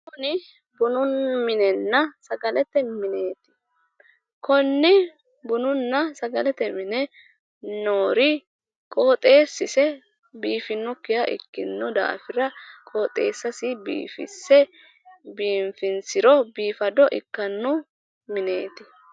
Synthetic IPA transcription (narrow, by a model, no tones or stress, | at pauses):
kɔnɪ | bʊnʊnmɪnɛnːɐsɐɡɐlɛt̪ːɛmɪneːt̪ɪ̥ | kɔnːɪ | bʊnʊnːɐsɐɡɐlɛt̪ɛmɪnɛ | noːɾɪ | kʼo̞ːt̪ʼe̞ːsːɪsɛ | biːfɪnːɔkːɪjɐʔɪ̰kːɪnːɔd̪a̰ːfɪɾɐkʼoːt̪ʼe̞ːsːɐsɪbḭːfɪ̰sːɛ | biːɱfɪnsɪɾɔbiːfɐd̪ɔʔɪ̰kːɐnːʊ | mɪne̞ːt̪ɪ